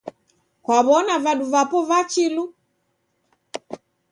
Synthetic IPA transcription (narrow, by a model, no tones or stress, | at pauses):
kwaβɔnavaɗuvapɔvat͡ʃilu